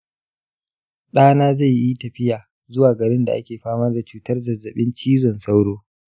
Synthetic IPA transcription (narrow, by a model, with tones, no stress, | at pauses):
ɗaː˦naː˦za˦˨jːi˦tɐ˨ɸɪ˦jaː˨ | zʊ˦waː˨ɡɐ˨ɾɪ˦nda˨ʔa̰˦kʲeː˨ɸaː˦mɐ˦rda˨t͡ʃuː˦tɐ˦rzɐ˨zɐ˨ɓɪ˦nt͡ʃiː˦zɔ˨nsa˦wɽoː˦